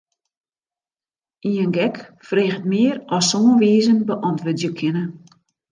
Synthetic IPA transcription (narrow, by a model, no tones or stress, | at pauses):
iənɡɛkfreːxətmɪərɔsːoːənʋiːzənbəʔɔntʋødjəkʰɪnə